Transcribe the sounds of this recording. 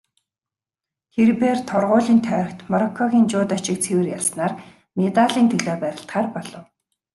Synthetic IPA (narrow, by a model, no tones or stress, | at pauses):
xerpeːrt̪ʰɔrʁʊːɮiːnt̪ʰœːɾə̆kt̪mɔɾɔkʰːɔɣʲiːnt͡ɕʊːt̪at͡ɕɪ̆k̚t͡sʰewɘ̆rjaɮsnaːr | met̪aɮiːnt̪ʰɵɮoːpæɾʲɪ̆ɬt̪χaːrpɔɮɞ̆w